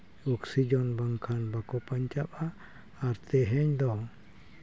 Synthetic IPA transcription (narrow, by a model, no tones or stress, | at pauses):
uksid͡ʒɔnbaŋkʰanbakɔpaɲt͡ʃap̚aː | ɾt̪ɛɦɛɲd̪ɔ